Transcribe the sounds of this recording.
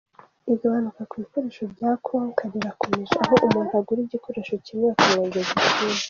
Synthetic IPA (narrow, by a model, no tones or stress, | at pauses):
iɡaβanukakwβiko̞ɾeːʃovɟaːkʰaŋkʰaɾiɾakomeʒeaɦoʔumunaɡuɾiɟiko̞ɾeʃo̞cimeakumoɲɡezitiːna